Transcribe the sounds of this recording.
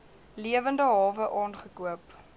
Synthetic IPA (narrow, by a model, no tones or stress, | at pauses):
liəvəndəɦɑːvəʔɑːnχəkuəp